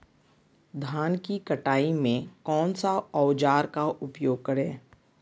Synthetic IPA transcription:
d̪ʱaːnkikɐʈaːimẽkɔːnsaɔːd͡ʒaːɾkaʔʊpjoːɡ̚kɐɽeː

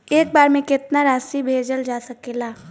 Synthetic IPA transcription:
eːk̚baːɾmẽkɪt̪naɾaːsibʱeːd͡ʒəld͡ʒaːsɐkeːlaː

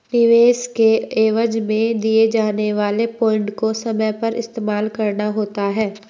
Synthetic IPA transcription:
nɪʋeːskeeːʋəd͡ʒmẽd̪ied͡ʒaːneʋaːlepɔːɪ̃ɳʈkosɐməjpɐɾɪ̰st̪eːmaːlkɐɾnaɦoːt̪aɦɛː

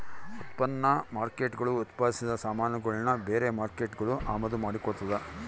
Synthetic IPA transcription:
ɔpːɐnːɐmaːɾke̞ːʈɡɐɭuːt̪paːd̪isid̪ɐsaːmaːnɐɡɐɭɐnːɐbeːɾemaːɾke̞ːʈɡɐɭuʔaːmɐd̪umaːɽikoɽt̪ɐd̪e

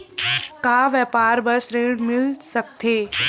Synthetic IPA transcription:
kaːʋɛːpaːɾbɐsɾeːɽmɪlsək̚t̪ʰeː

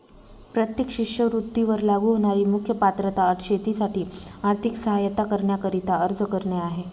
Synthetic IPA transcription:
pɾət̪jekɕikʂjəɾud̪ːiʋəɾlaɡuːɦoɽ̃aɾiːmukʰjəpat̪ɾət̪aəʈ̪ɕet̪isaʈʰiːaɾt̪ʰiksəɦajət̪akəɾɳjakəɾit̪aəɾd͡zəkəɾɳeaɦe

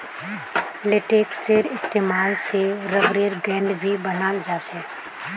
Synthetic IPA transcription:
leːʈeːkseɾɪst̪eːmaːlseɾəʋɾeːɾɡɛ̃ːnd̪bʱiːbənaːld͡ʒaːseː

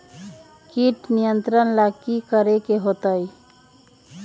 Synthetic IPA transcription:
kiʈnijənt̪ɾənlakikəɾekeɦot̪əj

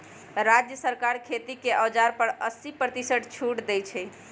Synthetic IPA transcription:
ɾad͡ʒjəsəɾkaɾkʰet̪ikeʔəʋd͡ʒaɾpəɾəsipɾət̪isəʈʰt͡ʃʰuʈd̪ɛt͡ʃʰɛ

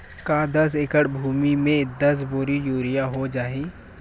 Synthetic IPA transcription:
kaːd̪ɐs̬ɪkəɽbʱuːmimẽd̪ɐs̬boɾijuːɾɪjaɦod͡ʒaːɦiː

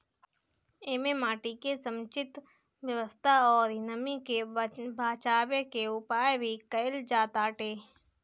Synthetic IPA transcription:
eːmemaːʈikesə̃mt͡ʃɪt̪ | ʋjəʋəst̪ʰaɔːɾnəmikebʱaːt͡ʃaːbekeʊpaːjbʱikəjɪld͡ʒaːt̪aːʈeː

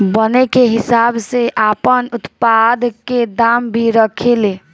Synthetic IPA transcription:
bənekeɦɪsabseʔapənʊt̪pad̪ʱked̪ambʱiɾəkʰele

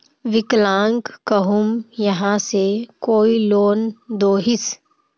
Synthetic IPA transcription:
ʋɪklãːŋkkəɦʊmjɐɦãsekoːiloːnd̪oːɦɪs

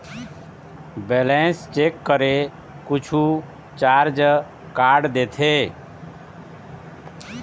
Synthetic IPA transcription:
belẽnst͡ʃekːəɾe | kut͡ʃʰu | t͡ʃaɾd͡ʒ | kaɖd̪et̪ʰe

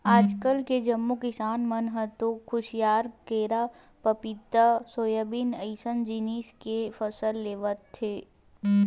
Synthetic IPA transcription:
aːd͡ʒkəlked͡ʒɐmːukɪsaːnmɐnɦət̪okʰʊʃijaːɾkeːɾa | pɐpɪt̪asoːjəbɪnəɪsənd͡ʒiniːskefʰəsəlːeːʋət̪ʰːeː

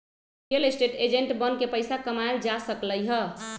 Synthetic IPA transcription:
ɾiəlesʈeʈed͡ʒeɳʈbənkepəɪsakəmaeld͡ʒasəkləjɦə

